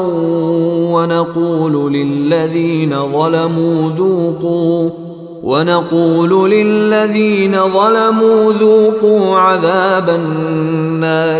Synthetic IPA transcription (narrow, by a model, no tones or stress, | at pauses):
wanɑquːllɪlːaðiːnaðˤɑlamuːðuːqu | wanɑquːlʊlɪlːaðiːnaðˤɑlamuːðuːquːʕaðaːbanː | aː